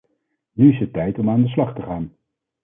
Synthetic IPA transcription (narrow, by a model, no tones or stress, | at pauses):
nyɪsɦətːɛjtɔmaːndəs̬lɑχtəχaːn